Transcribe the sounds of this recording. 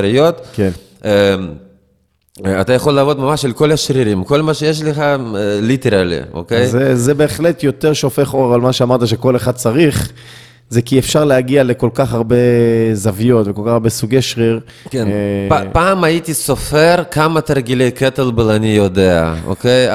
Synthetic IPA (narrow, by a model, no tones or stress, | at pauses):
ɾijot̪ken | at̪ajaχo̞lːaːvo̞d̪mamaʃelko̞laʃʁiɾimko̞lmaʃejeʃ̬leχalit̪eɾalḭo̰kejzezebe̞ːχle̞t̪jo̞t̪e̞ʁʃeofe̞χoʁalmaʃeamaʁt̪aʃ̬eko̞leχad̪̚t͡saʁiχ | zekiefʃaʁleaɡiale̞ko̞lkaχaʁbezavijo̞t̪vekolkaχaʁbesuɡejʃʁiʁ | keapaːmajit̪isofeɾkamat̪aʁɡilejket̪elblanijod̪ea̰o̰kej